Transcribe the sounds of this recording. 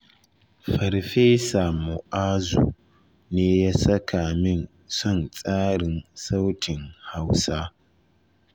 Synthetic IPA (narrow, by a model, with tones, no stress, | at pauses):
ɸɐ˨ɾɸeː˦sa˨mu˨ʔaː˦zṵ˨ | neː˦jaː˦sɐ˦kʰaː˨mɪ˦n | sʊ˦˨nt͡sʼaː˦ɾɪ˨nsa˦wtʰɪ˨ŋha˦wsa˦